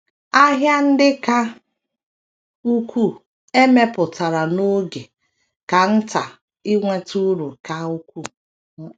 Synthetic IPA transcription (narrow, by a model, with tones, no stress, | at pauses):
a˦ɦja˦n̩˦dɪ˦ka˦ | u˦kʷu˦˨ | e˦me˦pʊ˨ta˨ɾa˨no˦ɡe˨ | ka˨n̩˦ta˨ | i˦ŋʷe˦tu˦ɾu˨ka˦u˦kʷu˦